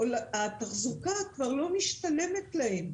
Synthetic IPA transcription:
olat̪aχzukakvaʁlo̞miʃt̪ale̞met̪lahe̞m

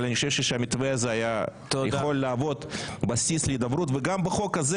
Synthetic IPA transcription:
laniχoʃevʃeʃeamit̪veazeaja | jeχo̞lːaːvo̞d̪basisleid̪abɾut̪veɡambeχo̞kaze

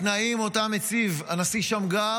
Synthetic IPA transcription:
t̪naimotamet͡sivanasiʃamɡa

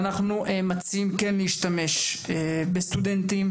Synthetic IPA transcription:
naχnuʔemat͡siimkenleiʃt̪ame̞ʃebest̪ud̪ent̪im

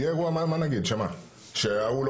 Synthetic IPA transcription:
ɡɛɡuamamanaɡet͡ʃɛma̰ | ʃɛawul

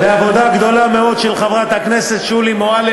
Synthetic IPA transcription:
eavo̞d̪aɡd̪o̞lame̞o̞d̪ʃelχavʁat̪hakne̞se̞t̪ʃulimoal

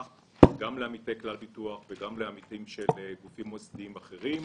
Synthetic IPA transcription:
ɡamleamitejklalbituaχveɡamleamitimʃelɡufimozd̪iimaχeʁim

